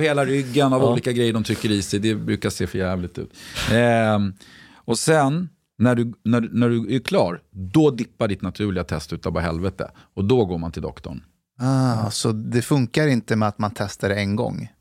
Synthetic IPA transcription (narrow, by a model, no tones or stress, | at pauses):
vheːlaɾʏɡːənavuːliːkaɡɾɛjːəɖɔmt̪ʰɾʏkːəɾɪsɛjd̪ɛbɾʉ̟ːkaseːfœɾjæːvlɪt̪ʉ̟̰ːt̪ | ɔsɛnː | æɖɵːæɖnæɖɵækʰlɑːɾd̪ɔd̪ɪpːaɖɪt̪nat̪ʰʉ̟ːɭɪɡat̪ʰɛst̪ʉ̟ːt̪apɔɦɛlvɛt̪ə̰ | ɔd̪ɔɡoːɾmant̪ʰɪld̪ɔ̰kt̪ɔ̰ɳ | asɔd̪ɛfɵŋkaɾɪnt̪əmɛat̪mant̪ʰɛst̪aɾɛɛnɡɔ̰ŋː